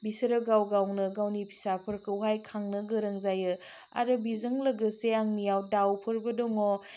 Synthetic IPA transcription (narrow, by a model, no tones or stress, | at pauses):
bisɐɾɐɡawɡawnɯɡawnipʰi̥sapʰɐɾkʰɯwɦajkʰaŋnɯɡɯɾɐŋzajɯ | a̰ɾɯbizɐŋlɐɡɐseaŋnijawdawpʰɯɾbɐdɔŋo